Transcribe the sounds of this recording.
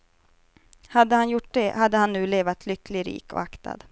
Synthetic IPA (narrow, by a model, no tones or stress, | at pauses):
had̪ːəhanjʊʈ̚ːd̪ɛhad̪ːəhanːʉ̟ːleːvat̪ʰlʏklɪɾḭːkɔ̰akt̪ʰa̰d̪